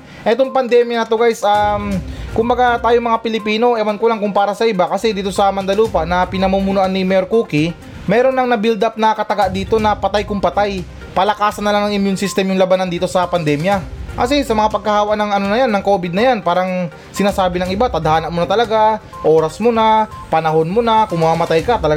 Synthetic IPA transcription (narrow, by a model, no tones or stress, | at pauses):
ʔɛt̪oŋpɐnd̪ɛːmjɐnɐt̪oɡajsʔamkʊmbɐɡat̪aːjoŋmɐŋapɪlɪpiːno̞ʔɛwɐnkolaŋkʊŋpaːɾɐsɐʔɪbakɐsɛd̪iːt̪o̞sɐmɐnd̪ɐluːpɐʔnɐpɪnɐmumunoʔanːimɛjoɾkuːkɪ | mɛːɾo̞nːɐŋnɐbild̪ap̚nɐkɐt̪ɐɡaʔd̪iːt̪o̞nɐpɐt̪ajkʊŋpɐt̪aj | pɐlɐkaːsɐnːɐlaŋnɐŋʔɪmjʊnsist̪ɛmjʊŋlɐbanɐnd̪iːt̪o̞sɐpɐnd̪ɛmjɐkɐ̰sɛsɐmɐŋapɐɡ̚kɐhaːwɐʔnɐŋɐnonɐjanːɐŋko̞ːbɪd̪nɐjanpaːɾɐŋ | sɪnaːsaːbɪnɐŋɪbat̪ɐd̪ɐhaːnɐʔmʊnat̪ɐlɐɡa | ʔo̞ːɾɐsmona | pɐnɐɦo̞nmonakʊŋmɐmamɐt̪ajkat̪ɐlɐɡ